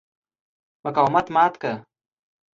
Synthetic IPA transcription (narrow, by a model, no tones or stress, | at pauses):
makawmat̪maːt̪ka